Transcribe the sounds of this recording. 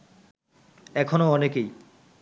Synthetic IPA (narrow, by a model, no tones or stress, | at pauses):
ɛkʰonoɔnekej